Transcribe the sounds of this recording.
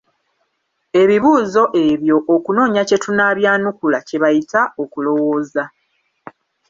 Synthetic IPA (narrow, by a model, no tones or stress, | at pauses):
e̞βiβuːzo̞ʔe̞βjo̞ʔːkuno̞ːɲace̞tunaːβjaːnukulaceβajitao̞kulo̞wo̞ːza